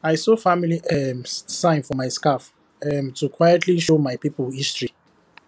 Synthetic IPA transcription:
ajsofamiliʔɛmsãj̃nfɔmajskaf | ɛmtʰukʰwajɛtʰliʃomajpipɔlistɹi

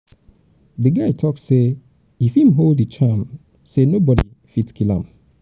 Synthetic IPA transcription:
ðɨɡaɪtʰɔksse | ifĩmɦolˠdət͡ʃam | senobɔɾḭ | fitkʰilã̰m

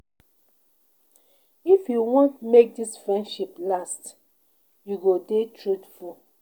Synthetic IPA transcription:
ifjuwɔ̃ntmek̚disfɹɛ̃ndʃiplast | juɡodetʰɹutfu

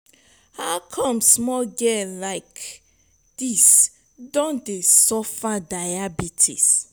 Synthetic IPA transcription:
haʊkʰɔ̃msmɔlɡɛlaɪk | d̥is | dɔ̃ndesɔfadajabitʰḭs

